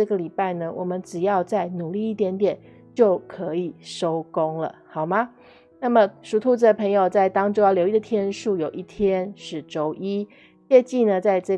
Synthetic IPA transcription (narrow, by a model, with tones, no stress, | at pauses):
ɤ˥˩ɡə˨li˨˩pa˥˩ɪnə˨wʔɔ˨˩mə˦nʈ͡ʂɻ̩˨˩jɑ˥˧ʊt͡sa˥˩ɪnu˨˩li˥˧i˥˩t̪jɛ˧˥nt̪jɛ˨˩˦n | t͡ɕjo˥˩ʊkʰɤ˧˦i˨˩ʂo˥ʊkʊ˥ŋlə̰˨xɑ˨˩ʊma˦ | na˥˩mə˨˩ʂu˧˥t̪ʰu˧˥t͡s̩˧˩d̪ə˩pʰɤ˧˥ŋjo˨ʊt͡sa˥˩ɪt̪ɑ˥ŋʈ͡ʂo˥jɑ˥˩ljo˧˥ʊi˥d̪ə˨t̪ʰjɛ˥nʂu˥˩jo˨˩ʊʔi˥˩t̪ʰjɛ˥nʂɻ̩˥˩ʈ͡ʂo˥ʊʔi˥ | t͡ɕɛ˥˧t͡ɕi˥˩nə˨t͡sa˥˧ɪʈ͡ʂɤ˥˩